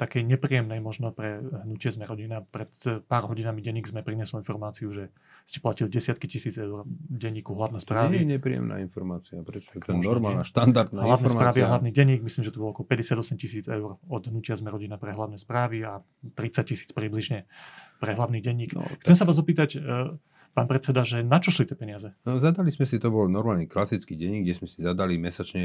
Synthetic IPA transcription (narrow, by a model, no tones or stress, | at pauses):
t̪akɛjɲɛpɾijɛmnɛjmɔʒnɔpɾɛɦnucɪɛzmɛɾɔɟinapɾɛt̪paːɾɦɔɟinamiɟɛɲːiɡzmɛpɾiɲɛslɔinfɔɾmaːt͡siuʒɛ | scɛ̥placilɟɛsɪat̪̚kicisiːd͡zɛʊrɟɛɲːiːkuɦlaʊnɛspɾaːɛiɛɲɛpɾijɛ̰mna̰ːinfɔɾmaːt͡siapɾɛt͡ʃɔ̥t̪ɛɔɾmaaʃt̪and̪aɾd̪naɦlaʊnːspɾaːʋiaɦlaʋniɟɛɲiːɡmisliːmʒɛt̪ubɔlɔɔkɔpɛɟɛsɪad̪ɔsɛmcisiːd͡zɛʊrɔd̪ɦnucɪazmɛɾɔɟinapɾɛɦlaʊnɛspɾaːʋia | t̪ɾit͡sac̚cːisiːt͡spɾibliʒɲɛpɾɛɦlaʊniːɣɟɛɲːiːkxt͡sɛmsaʋaːzɔpiːt̪ac | paːnpɾɛt͡sɛd̪aʒɛnat͡ʃɔʃlit̪ɪɛpɛɲɪazɛzad̪alizmɛsit̪ɔbɔlnɔɾmaːlniklasit͡skiɟɛɲːiːɡɟɛzmɛsizad̪alimɛsat͡ʃɲɛ